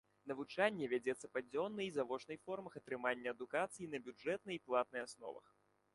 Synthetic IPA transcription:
nɐvut͡ʂanʲːɛvʲad͡zʲɛt̪sːɐpad͡zʲɔnːɨizavɔt͡ʂnɨjfɔrmɐxɐt̪ɾɨmanʲːɐɐd̪ukat̪sɨjinɐbʲud͡ʐɛt̪̚nɨxiplˠat̪̚nɨjasnɔ̰vɐ̰x

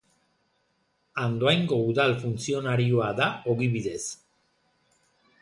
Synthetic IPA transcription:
and̪oajŋɡo̞uðalfunt͡sio̞naɾioaðao̞ɣiβiðe̞s

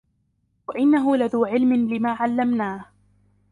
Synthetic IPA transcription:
waʔɪnːaɦʊlaðuːʕɪlmɪnlɪmaːʕalːamnaːh

